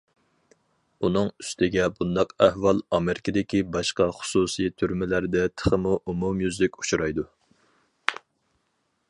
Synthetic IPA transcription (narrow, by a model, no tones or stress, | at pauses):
unɨŋyst̪ʰɪɡʲɛbund̪ɑqæhwɑlˠɑmeɾɪkʲʰɪd̪ɪkʲibɑʃqɑχʊ̥susit̪ʰyɾmɪlæɾd̪ɛt̪ʰə̥χəmuʔumumjyzlɪkʲut͡ʃuɾɑjd̪u